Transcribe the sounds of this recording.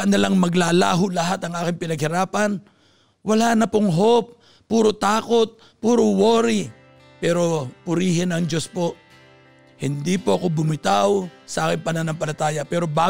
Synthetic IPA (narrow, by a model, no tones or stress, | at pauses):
nɐlaŋmɐɡlaːla̰ːɦʊlɐɦat̪ɐŋʔaːkɪŋpɪnɐɡ̚hɪɾaːpɐn | wɐlanɐpoŋɦop̚ː | uːɾot̪aːko̞t̪̚ | puːɾowoːɾɪ | pɛːɾo̞pʊɾiːɦɪnɐŋd͡ʒo̞spo̞ʔ | hɪnd̪ipoʔɐko̞bʊmɪt̪awsɐʔaːkɪŋpɐnanɐmpɐlɐt̪aːjɐpɛːɾo̞baː